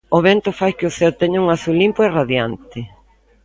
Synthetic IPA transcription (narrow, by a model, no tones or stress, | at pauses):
ʊβent̪ʊfajkɪʊθeʊt̪ɛɲauŋaθulimpʊeraðjant̪ɪ